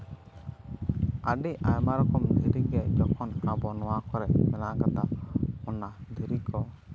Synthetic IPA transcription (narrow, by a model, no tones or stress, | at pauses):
aɖiʔa̰jmaɾɔkɔmd̪iɾiɡɛd͡ʒɔkʰɔnabɔnɔwakɔɾɛʔmɛnaʔkat̪aɔnad̪iɾikɔ